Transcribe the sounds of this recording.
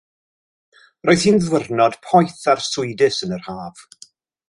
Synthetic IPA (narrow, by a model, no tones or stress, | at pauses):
roːɨð̥hiːnðwərnɔd̥pʰɔjθarsʊɨdɨsənərhaːv̥